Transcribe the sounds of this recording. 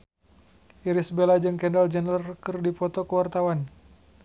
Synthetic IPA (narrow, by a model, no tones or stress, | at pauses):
ʔiɾisbelad͡ʒɨŋkɛndald͡ʒənrərkɨrdipɔt̪ɔkəwart̪awan